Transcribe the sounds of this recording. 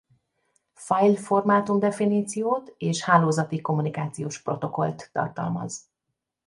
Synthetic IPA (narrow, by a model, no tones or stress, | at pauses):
fɒjlfo̞rmaːt̪umd̪ɛfiniːt̪sijoːt̪eːʃhaːloːzɒt̪iko̞mːunikaːt̪sijoːʃpro̞t̪o̞ko̞̰lt̪ːɒ̰rt̪ɒ̰lmɒ̰z